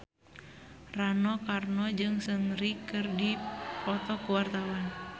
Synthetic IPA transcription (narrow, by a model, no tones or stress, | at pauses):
ranɔkarnɔd͡ʒɨŋsəŋɾikɨrdipɔt̪ɔkuwart̪awan